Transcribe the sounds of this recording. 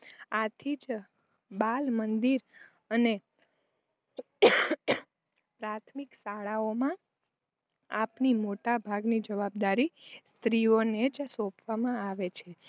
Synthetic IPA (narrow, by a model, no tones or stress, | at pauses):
at̪ʰid͡ʒ | balmənd̪iɾ | əne | pɾat̪ʰmiksaɭaomã | apnimoʈabʱaɡnid͡ʒəʋab̚d̪aɾist̪ɾioned͡ʒsɔ̃pʰʋamãaʋet͡ʃʰe